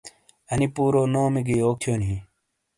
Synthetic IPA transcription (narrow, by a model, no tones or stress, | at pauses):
ɐnipuːɾoːnoːmiɡiːoːk̚t̪ʰjoːnĩː